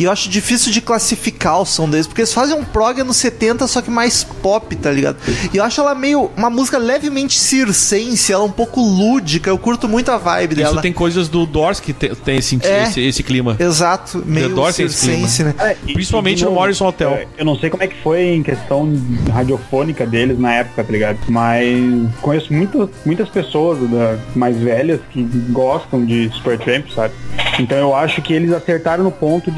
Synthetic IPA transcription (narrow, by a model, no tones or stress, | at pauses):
ewaʃʊd͡ʒifisiwd͡ʒɪklasifikaʊsɐ̃w̃d̪elɪspoɾkelɪsfazẽj̃ũpɾɔɡɐnʊset̪ẽnt̪ɐsɔkɪmajspɔpɪt̪aliɡa̰d̪ʊɪewaʃʊɛlɐɛmejʊũmɐmuzikɐlɛvɪmẽnt͡ʃɪsiɾsẽsɪɐɛlɛũpowkʊlud͡ʒikɐewkuɾt̪ʊmũj̃t̪ʊɐvajbɪd̪ɛslɐt̪ẽj̃kojzɐzd̪ʊd̪ɔɾskɪt̪ẽt̪ẽj̃sĩt͡ʃiɛesɪesɪ̥klimɐezat̪ʊmejʊd̪ɔɾst̪ẽjsɪskliẽsɐnɛɛpɾĩsi̥pawmẽnt͡ʃɪnʊmɔɾisõot̪ɛwewnɐ̃w̃sejkomʊ̃ɛkɪ̥fojẽj̃kest̪ɐ̃w̃ɦad͡ʒiofonikɐd̪elɪznɐɛpʊ̥kɐt̪aliɡad̪ʊmɐskõjesʊmũj̃t̪ɐsmũj̃t̪ɐspesoɐzd̪ɐmajzvɛlɐskɪɡɔst̪ɐ̃w̃d͡ʒɪsu̥peɾt̪ɾẽmpsabɪẽnt̪ɐ̃w̃ewaʃʊkɪelɪzaseɾt̪aɾɐ̃w̃ʊpõnt̪ʊd͡ʒ